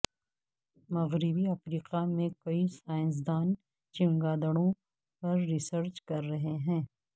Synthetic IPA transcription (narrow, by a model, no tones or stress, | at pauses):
mɐɣɾɪbiɐfɾiːqamẽkɐisaːɪ̃s̬d̪aːn | t͡ʃɪ̃ŋɡaːd̪əɽ̃õ | pɐɾːɪsəɾt͡ʃkɐɾːɐɦeɦɛ̃ː